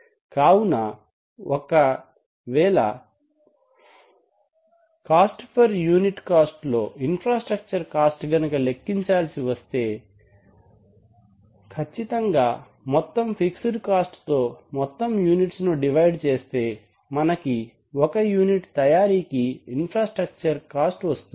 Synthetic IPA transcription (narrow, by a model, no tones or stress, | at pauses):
kaːwunɐ | ʔɔkɐ | ʋɛːɭɐ̰ | kaːsʈpʰɐɾjuːniʈkaːsʈlo̞ːinpɾaːsʈɾɐk̚t͡ʃɐɾkaːsʈɡɐnukɐlekːiɲt͡ʃaːlsiʋɐst̪e̞ː | kʰɐt͡ʃːit̪ɐŋɡaː | mɔt̪ːɐmpʰiksiɖkaːsʈt̪o̞ːmɔt̪ːɐmjuːniʈsnuɖiʋɐjɖt͡ʃe̞ːst̪e̞ː | mɐnɐki | ɔkɐjuːniʈt̪ɐjaːɾiːkiːnpʰɾaːsʈɾɐk̚t͡ʃɐɾkaːsʈʋɐst̪und̪i